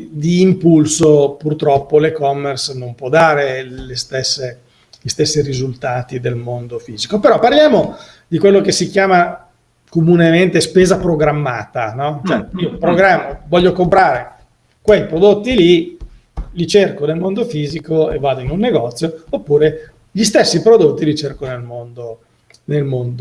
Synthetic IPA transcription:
d̪iːmpulsopurt̪ɾɔpːolekɔmːersnompwɔd̪ːaːɾelest̪esːe | ʎist̪esːiɾizult̪aːt̪id̪elmond̪ofiːzikopeɾɔparljaːmo | d̪ikwelːokesːik̟jaːma | komunement̪espeːzapɾoɡɾamːaːt̪anɔt͡ʃoɛiːopɾoɡɾamːovɔʎːokompɾaːɾe | kwejpɾod̪ot̪ːili | lit͡ʃerkonelmond̪ofiːzikoḛvːaːd̪oinunːeɡɔt̪sːjoopːuːɾe | ʎist̪esːipɾod̪ot̪ːilit͡ʃerkonelmond̪o | nelmond̪o

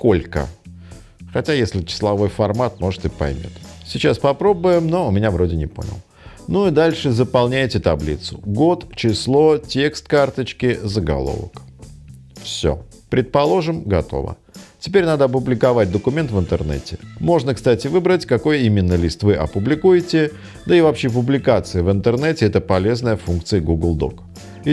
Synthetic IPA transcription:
ko̞lʲkə̰ | xɐtʲajesʲlʲɪt͡ɕɪ̥slˠɐvo̞jfɐrmat̪̚mo̞ʐɨt̪ɨpɐ̰jmʲo̰t̪sʲɪt͡ɕaspɐpɾo̞bʊjɪmno̞ʊmʲɪnʲavɾo̞dʲɪnʲɪpo̞̰nʲɪ̰lˠ | nuid̪alʲʂɨzəpɐlˠnʲæjtʲɪt̪ɐblʲḭt̪sʊ̰ɡo̞t̪t͡ɕɪslˠo̞tʲe̞kst̪kart̪ət͡ɕkʲɪzəɡɐ̰lˠo̰və̰k | fsʲo̰ | pɾʲɪt̪̚pɐlˠo̞ʐɨmɡɐ̰t̪o̞̰və̰ | tʲɪpʲeɾʲnad̪əɐpʊblʲɪkɐvat̚ʲd̪əkʊmʲe̞nt̪vɨnt̪ɨrnɛ̰tʲɪmo̞ʐnəkst̪atʲɪvɨbɾətʲkɐko̞jimʲɪnːəlʲist̪vɨʔɐ̰pʊblʲɪkujɪtʲɪ | d̪əɪvɐpɕepʊblʲɪkat̪sɨjɪvɨnt̪ɨrnɛtʲɪɛt̪əpɐlʲe̞znəjəfunk̚t̪sɨjəɡuɡlˠd̪o̰k

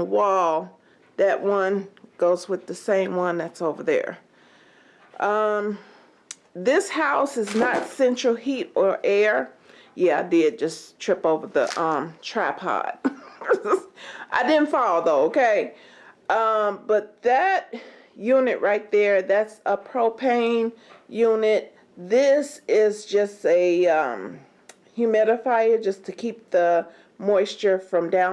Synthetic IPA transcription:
wɔlˠ | ðɨʔ̚wʔʌ̃nɡ̥oʊzwɨðɨsẽɪ̃mwʌ̃nðætsoʊvə˞ðə̰˞ | ʔʌ̃m | ðɪshaʊsɨznətsɛ̃nt͡ʃɹ̥l̩ˠhiɾə˞ʔɛɹ | jæaɪdɪd̚d͡ʒʌstʰɹ̥ɪpoʊvə˞ðə̰ʔʌ̃mtʰɹ̥æ̰phɑ̰t̚ | ʔa̰ɪdɪdⁿn̩tfɑlˠoʊðoʊoʊkʰeɪ | ʔʌ̃mb̥ʌt̪̚ðɨt̚ | jʉnɨʔɹaɪt̪̚ðə˞ðætsəpʰɹ̥oʊpʰẽɪ̃njʉnɪt̚ | ðɪsɪzd͡ʒʌstɨʌ̃m | hʉmɪɾɨfaɪɨ̥d͡ʒʌstʰɨkʰip̚ðə | mɔɪst͡ʃə˞fɹʌ̃mdãʊ̃

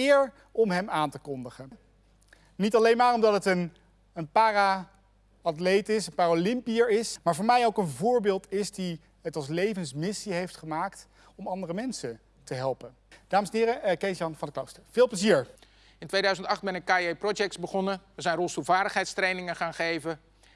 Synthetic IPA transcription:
ɪːɹ | ɔmɦɛmaːntəkɔndəχə | nitɑlejnmaːɹɔmdɑtɦətən | ənpaːra | ɑtlejtɪsənpaːrolɪmpiəɹɪsmaːɹvʊːɹmɛjowkənvʊːɹbɪːlˠtɪsdi | ətɑlˠs̬lejvənsmɪsiɦejftχəmaːkt | ɔmɑndərəmɛnsə | təɦɛlˠpən | d̥aːməsɛnɦɪːɾəkejsɑnvɑndəklowstəɹv̥ɪːlˠpləziːɹ | ɪntʋejdœɥzəntɑχd̚bɛnəkaiejprɔd͡ʒɛk̚tsbəχɔnəʋəzɛjnrɔlˠstulˠvaːɹdəχɦɛjtstrejnɪŋəχaːnχejvə

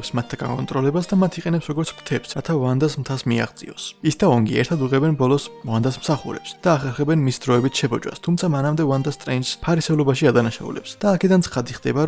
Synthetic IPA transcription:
psmat̪ʰːaɡa̰ŋkʼɔ̰nt̪ʼɾɔlɛbasd̪amat̪ʰiqʼɛnɛpsɾɔɡɔɾt̪sʰkʰt̪ʰɛpsɾat̪ʰavand̪asmt̪ʰasmia̰ʁzʼḭɔsisd̪aɔŋɡiɛ̰ɾt̪ʰad̪uʁɛbɛnbɔlˠɔsvand̪asmsaχṵɾɛ̰psd̪̥aːχɛɾχɛbɛnmisd̪ɾɔɛbit̪ʰʃɛbɔd͡ʒʼwa̰st̪ʰumt̪sʰamanamd̪ɛvand̪ast̪ʼɾɛnspʰaɾisɛulˠɔbaʃiad̪anaʃa̰ṵlɛpsd̪̥aːkʰɛd̪ant̪sʰχad̪iχd̪ɛbaɾ

